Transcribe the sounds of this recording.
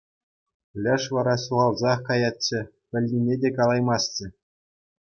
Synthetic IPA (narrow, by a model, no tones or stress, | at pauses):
lʲɘ̆ʂʋɑɾɑsuʁɑlˠzɑχkɑjɑtʲt͡ɕːɘ̆ | pʲɘ̆lʲːinʲedʲekɑlˠɑjmɑsʲt͡ɕɘ̆